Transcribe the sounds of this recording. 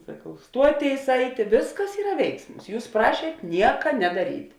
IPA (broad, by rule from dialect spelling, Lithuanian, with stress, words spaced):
sɐˈkɐʊ ˈstuɔˌtʲeːɪs ˈɐɪtʲeː ˈʋʲɪsˌkɐs ˈiːrɐ ˈʋʲɛɪksmʊs ˈjuːs ˈprɑːʃʲiɛt ˈnʲiɛkɐ nʲɛdɐˈrʲiːtʲ